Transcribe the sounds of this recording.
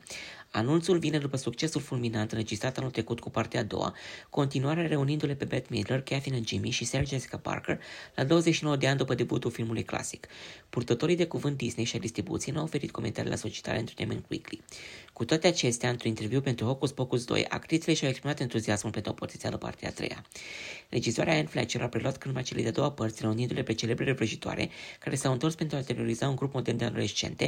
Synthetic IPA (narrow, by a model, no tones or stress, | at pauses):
anunt̪sulvine̞d̪upəsukt͡ʃe̞sulfulminant̪ɨnred͡ʒist̪ɾat̪anult̪ɾekut̪kupart̪eaːd̪o̰wa̰ko̞nt̪inuaɾeaɾe̞unind̪ule̞pe̞bet̪mid̪lerkafinnd͡ʒimiʃiserd͡ʒesi̥kapa̰rkerlad̪o̞wəzeʃino̞wəd̪e̞and̪upəd̪e̞but̪ulfilmulujkla̰si̥kpurt̪ət̪o̞ɾijd̪e̞kuvɨnt̪̚d̪isne̞jʃiad̪ist̪ɾibṵt̪sienuawofe̞ɾḭt̪̚ko̞ment̪aɾḭlea̰sot͡ʃi̥t̪a̰lent̪ɾunḛmḛnkwḭklikut̪oat̪e̞at͡ʃe̞st̪eaɨnt̪ɾunint̪e̞rviupe̞nt̪ɾuho̞kusbokusd̪o̞̰ja̰kt̪ɾit̪sile̞ʃawekspɾimat̪e̞nt̪uziasmulpe̞nt̪ɾuopo̞t̪it̪sia̰ləpa̰rt̪ea̰t̪ɾḛja̰lʔe̞d͡ʒizoa̰ɾeaenflɛ̰t͡ʃeɾʔapɾe̞luat̪kɨnmajt͡ʃele̞d̪ead̪o̞wapərt̪sʲreunind̪ule̞pɾet͡ʃele̞bɾelevɾəʒit̪oa̰ɾʔe̞̰kaɾʔe̞sawɨnt̪o̞rspe̞nt̪ɾuat̪e̞ɾio̞ɾizauŋɡɾupmo̞d̪e̞rnd̪a̰nṵlesit͡ʃe̞̰nt̪e̞